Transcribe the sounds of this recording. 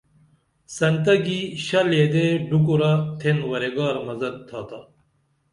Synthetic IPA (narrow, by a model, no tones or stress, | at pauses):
sɐnt̪ɐɡiɕɐleːd̪eɖuk̬uɾɐt̪ʰenwɐɾeɡaːɾmɐzɐd̪̚t̪ʰaːt̪ɐ